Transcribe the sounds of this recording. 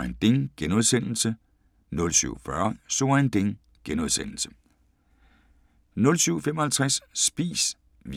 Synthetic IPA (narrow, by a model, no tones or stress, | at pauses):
ænd̥e̝ŋɡ̥enoð̞ˠsen̰l̩sə | nɔ̽lsy̰ʊ̰fɶɐso̝ænd̥e̝ŋ | ɡ̥enoð̞ˠsen̰l̩sə̥ | nɔ̽lsyʊfemɒ̽hælt͡sʰʁasːb̥ḭːs | ʋ